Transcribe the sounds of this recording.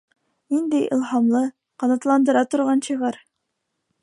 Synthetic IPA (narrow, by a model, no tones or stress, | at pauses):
nind̪ɘjʔḭlˠhɑmlˠɤ | qɑnɑt̪lˠɑnd̪ɤ̆ɾɑt̪ŏɾʁɑnɕɤ̆ʁɑɾ